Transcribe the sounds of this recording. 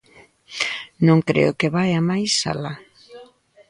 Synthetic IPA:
nõŋkɾḛʊkɪβajamajsa̰la

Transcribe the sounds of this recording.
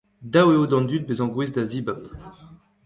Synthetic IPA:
d̪aweod̪ɑ̃nd̪yt̪̚bezɑ̃ɡwezd̪azibap

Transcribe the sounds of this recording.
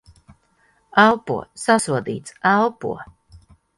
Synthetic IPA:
alˠpṵɔsasuɔd̪ḭːt̪sælˠpṵɔ

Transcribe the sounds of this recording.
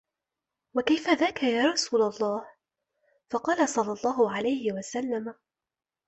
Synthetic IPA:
wakajfaðaːkajaːɾˤɑsuːlalˤːɑːh | fɑqɑːlasˤɑlːɑlˤːɑːɦʊʕalajhɪwasalːam

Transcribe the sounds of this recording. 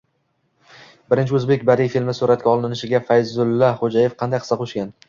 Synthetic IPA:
bɪɾɪnt͡ʃʰɪɵzbe̞kʲbaɾijfilmɪsuɾat̪̚kʲaɒlˠɪɪnɪʃɪɡʲafajzʊlˠːaχod͡ʒaje̞fqʰɑnd̪ajqɨ̥sɑqʰoʃkʲan

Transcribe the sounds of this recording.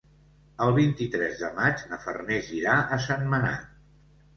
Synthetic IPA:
əlˠβint̪it̪ɾɛzðəmad͡ʒnəfə̰rneʒiɾaʔəsanməna̰

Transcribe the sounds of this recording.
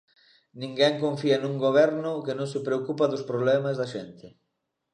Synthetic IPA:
nĩŋɡɛŋkõɱfiɐnuŋɡoβ̞ɛɾnʊkenõŋsɪpɾeokupɐðʊspɾoβlɛmazðɐʃɛnt̪ɪ

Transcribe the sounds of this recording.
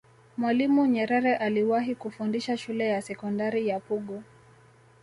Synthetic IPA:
mwalimuɲɛɾɛɾɛʔaliwaɦikufundiʃaʃulɛjasɛkɔndaɾijapuɠɔ

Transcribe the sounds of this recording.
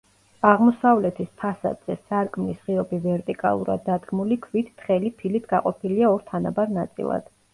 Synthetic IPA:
aʁmɔsavlɛt̪ʰispʰasa̰d̪z̥ɛsaɾkʼmlisʁiɔbivɛɾt̪ʼikʼa̰lˠṵɾa̰d̪ːad̪ɡmulikʰvit̪ʰt̪χɛlipʰilit̪ʰɡaqʼɔpʰiliaɔɾt̪ʰana̰baɾnat̪sʼḭlˠa̰d̪̥

